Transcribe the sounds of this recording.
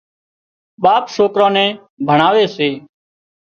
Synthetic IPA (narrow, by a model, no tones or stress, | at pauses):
ɓaːpʃoːkɾãːnɛ̃ː | bʱəɳ̃aːʋeːseː